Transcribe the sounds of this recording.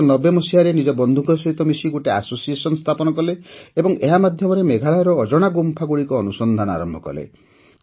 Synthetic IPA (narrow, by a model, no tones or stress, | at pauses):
nɔbemɔsiɦaɾenid͡ʒɔbɔnd̪ʱukʰɔsɔɦit̪ɔmisiɡoʈeasosiesɔnɔst̪ʰapɔnɔkɔleebɔŋeɦamad̪ʱjɔmɔɾemeɡʱaɭajɾɔːd͡ʒɔɽ̃aɡumpʰaɡuɽikɔːnusɔnd̪ʱanɔa̰ɾɔmbʱɔkɔ̰lḛ